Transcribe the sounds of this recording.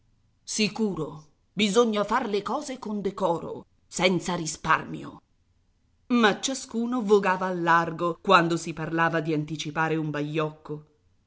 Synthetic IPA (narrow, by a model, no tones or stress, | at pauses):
sikuːɾo | bizoɲːafarlekɔːzekond̪ekɔːɾo̰ | sɛnt̪saɾispa̰rmjo̰ | mat͡ʃːaskuːnovoɡaːvaːlːarɡokwand̪osiparlaːvad̪iant̪it͡ʃipaːɾeumbaʎːɔkːo